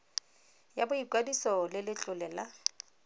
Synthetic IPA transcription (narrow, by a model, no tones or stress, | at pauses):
jabʊikwadisɔlɪlɪt͡ɬʼʊlɛːla